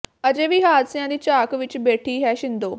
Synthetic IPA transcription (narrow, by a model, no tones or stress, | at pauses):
əd͡ʒeːʋiːɦaːd̪sɪjãːd̪iːt͡ʃaːkʋɪt͡ʃbeːʈʰiːɦɛːʃɪnd̪oː